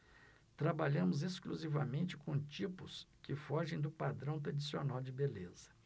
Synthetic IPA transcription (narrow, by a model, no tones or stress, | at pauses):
t̪ɾabaʎɐ̃mʊzeskluzivɐmẽnt͡ʃɪ̥kõt͡ʃipʊskɪfɔʒẽj̃d̪ʊpad̪ɾɐ̃w̃t̪̬ɾad͡ʒisionawd͡ʒɪbelezɐ